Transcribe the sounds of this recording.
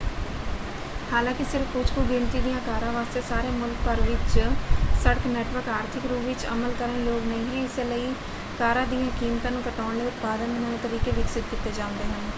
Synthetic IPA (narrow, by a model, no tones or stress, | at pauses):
haːlãːkɪsɪɾfkʊd͡ʒkoːɡɪɳt̪iːd̪ijãːkaːɾãːʋaːst̪eːsaːɾeːmʊlk̚pəɾʋɪt͡ʃsəɽəknɛːʈʋəɾkaːɾt̪ʰɪkɾuːpʋɪt͡ʃə̰məlkəɾəeloːɡnəĩːɦiɪseləiː | kaːɾãːd̪ijãkiːmt̪ãːnũːkəʈaːɳleːʊt̪paːd̪ənməːnẽt̪əɾiːkeːʋɪksɪt̪̚kit̪ːeːd͡ʒaːʊ̃ːnd̪eːɦən